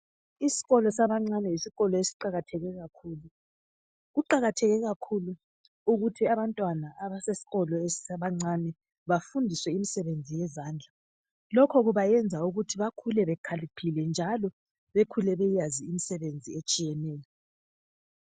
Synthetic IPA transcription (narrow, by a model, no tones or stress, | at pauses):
isi̥ɣɔlɔsaβaŋ͡ǀanɛisiɣɔlɔesi̥ǃaɣatʰɛɣɛɣakʰuːlu | ɣuǃaɣatʰɛɣɛɣakʰulu | uɣutʰiaβantʼwanaaβasesi̥ɣɔlɔessaβaŋ͡ǀanɛ | βafundʱiswɛimisɛβend͡zʱijɛzaːnd͡ɮʱa | lɔkʰɔɣuβajɛnd͡zʱauɣutʰiβakʰulɛβɛkʰalipʰilɛnd͡ʒʱalɔ | βekʰulɛβɛjaziːmisɛβend͡zʱiet͡ʃʼijɛnɛːjɔ